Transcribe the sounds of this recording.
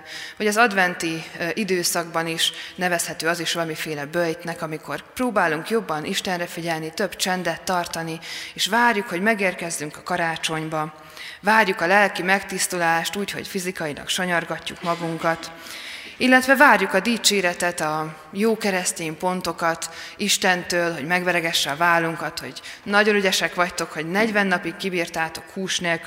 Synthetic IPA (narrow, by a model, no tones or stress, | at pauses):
vɒɟɒzɒd̪vɛnt̪iʔid̪øːsɒɡbɒniʃnɛvɛshɛt̪øːɒziʃʋɒlɒmifeːlɛbøjt̪nɛkɒmiko̞rproːbaːluŋkjo̞bːɒnʔiʃt̪ɛnrɛfiɟɛlnit̪øbt͡ʃɛnd̪ɛt̪ːɒrt̪ɒnieːʃʋaːrjukho̞ɟmɛɡeːrkɛzːyŋkɒkɒɾaːt͡ʃo̞ɲbɒ | vaːrjukɒlɛlkimɛkt̪ist̪ulaːʃt̪uːcho̞̰cfizikɒjilɒ̰kʃo̞ɲorɡɒcːukmɒɡuŋkɒt̪ | ilːɛt̪ʋɛvaːrjukɒd̪iːt͡ʃeːɾɛt̪ɛt̪ɒ | joːkɛɾɛst̪eːmpo̞nt̪o̞kɒt̪iʃt̪ɛnt̪øːlɦo̞ɟmɛɡvɛɾɛɡɛʃːɛɒvaːlːuŋkɒt̪ho̞̰ɟnɒɟo̞nyɟɛʃɛkʋɒct̪o̞kho̞ɟnɛɟvɛnːɒpikːibiːrt̪aːt̪o̞khuːʃneːlk